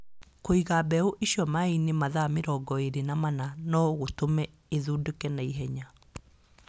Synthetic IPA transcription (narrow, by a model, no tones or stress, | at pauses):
koiɣabɛoʔeɕjɔmainemaðameɾɔɡɔeɾenamananɔɣotomɛ | eðuːdokɛnaiɦɛɲa